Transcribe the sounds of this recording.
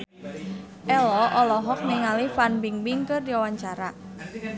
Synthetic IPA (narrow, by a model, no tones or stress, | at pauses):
ʔɛlɔʔɔlɔɦɔk̚niŋalifanbiŋbiŋkɨrdiawaɲt͡ʃaɾa